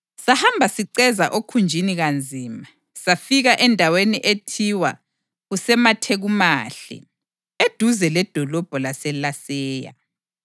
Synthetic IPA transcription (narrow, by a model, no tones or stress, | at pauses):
sahambʱasiǀɛzaʔokʰund͡ʒʱiniɣand͡zʱiːma | safiɣaʔɛndʱaweniʔetʰiwa | ɣusɛmatʰeɣumaːɬɛ̰ | ed̥ʱuzɛlɛd̥ʱɔlɔb̥ʱɔlasɛlasɛːja̰